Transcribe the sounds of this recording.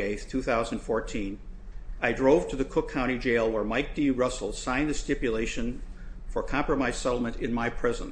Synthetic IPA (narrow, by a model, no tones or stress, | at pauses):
eɪθtʰʉθaʊzə̃n̩fɔɹtʰĩn | aɪdɹoʊv̥tʰɨðɨkʰʊkʰãʊ̃ɾ̃id͡ʒeɪlˠwə˞maɪk̚d̥iɹʌsl̩ˠsãɪ̃nðɨstɪpjɨleɪʃɨ̃nfə˞kʰɑ̃mpɹɨmaɪz̥sɛɾl̩ˠmɨ̃ntɪ̃nmaɪpʰɹ̥ɪzə̰̃n